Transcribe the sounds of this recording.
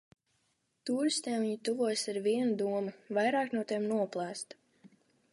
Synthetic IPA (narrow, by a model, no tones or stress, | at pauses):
t̪uːɾist̪eːmviɲit̪uvuɔjsaɾviɛnud̪uɔmɨvajɾɑːknuɔt̪imnuɔplˠæːst̪